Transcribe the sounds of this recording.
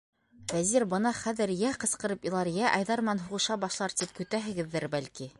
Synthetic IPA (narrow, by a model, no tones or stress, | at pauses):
væziɾbɤnɑχæðɘ̆ɾjæqɤ̆sqɤ̆ɾɤpilˠɑɾjæʔɑ̰jðɑɾmɘ̆nænɦuʁɤ̆ʃɑbɑʃlˠɑɾt̪ip̚kɵ̆t̪æɦɘ̆ɡɘ̆ðːɘɾbælki